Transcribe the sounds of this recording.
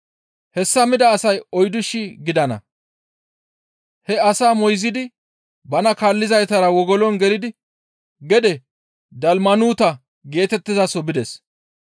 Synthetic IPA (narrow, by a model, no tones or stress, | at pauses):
hɛsːɐmɪd̪ɐːsɐjɔjd̪ʊʃɪɡɪd̪ɐnɐ̰ | hɛɐsaːmɔjzɪd̪ɪ | bɐnɐkaːlːɪzɐjt̪ɐɾɐwɔɡɔlɔnɡɛlɪd̪ɪ | ɡɛd̪ɛ | d̪ɐlmɐnuːt̪ɐ | ɡe̞ːt̪ɛt̪ːɪzɐsɔbɪd̪ɛs